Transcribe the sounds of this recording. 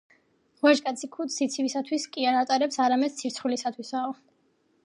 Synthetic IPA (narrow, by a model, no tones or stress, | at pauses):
ʁwaʒkʼat̪sʰikʰut̪sit̪sʰivisat̪ʰwiskʼiaɾat̪ʼaɾɛpsaɾamɛd̪̥̚t̪sʰiɾt̪sʰχulisat̪ʰwisaɔ